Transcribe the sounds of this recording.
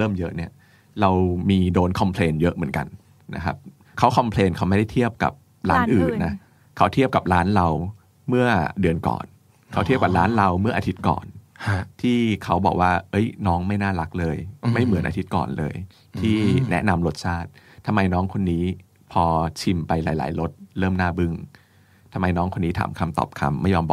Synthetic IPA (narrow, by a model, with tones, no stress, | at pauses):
ɾɤː˥˩mjɤ˦˥ʔni˥˩ɐ | ɾa˧wmiː˧doː˧nkʰɔ˧mpʰleː˧njɤ˦˥ʔmɯ˩˦nka̰˧n | nʔa̰˦˥kʰa˦˥p̚ | kʰa˦˥wkʰɔ˧mpʰleː˧nkʰa˦˥wma˥˩jda˥˩t̪ʰi˥˩əp̚ka̰˨˩p̚ | ɾaː˦˥nʔɯː˨˩nːa˦˥ | kʰa˦˥wt̪ʰi˥˩əp̚ka˨˩p̚ɾaː˦˥nɾa˧w | mɯ˥˩ɐdɯ˧ənkɔ̰ː˨˩n | kʰa˦˥t̪ʰi˥˩əp̚ka˨˩p̚ɾaː˦˥nɾa˧wmɯ˥˩ɐʔa˧t̪ʰi˦˥t̪̚kɔ̰ː˨˩nt̪ʰiː˥˩kʰa˦˥wbɔ̰ː˨˩k̚waː˥˩ʔɤ˦˥jnɔː˦˥ŋma˥˩jnaː˥˩ɾa˦˥k̚lɤː˧jma˥˩jmɯ˩˦nʔaː˧i˦t̪̚kɔ̰ː˨˩nlɤ̰ː˧j | t̪ʰiː˥˩nɛ˦˥ʔna˧mlo˦˥t̪̚t͡ɕʰaː˥˩t̪̚ʰːa˧mːa˧jnɔː˦˥ŋkʰo˧nːiː˦˥ | pʰɔː˧t͡ɕʰi˧mpa˧jla̰ː˩˦jla̰ː˩˦jlo˦˥t̪̚ɾɤː˥˩mnaː˥˩bɯ˥˩ŋ | t̪ʰa˧ma˧jnɔː˦˥ŋkʰo˧nːiː˦˥t̪ʰa̰ː˩˦mkʰa˧mt̪ɔ̰ː˨˩p̚kʰa̰˧mːa˥˩jːɔː˧mbɔː˨˩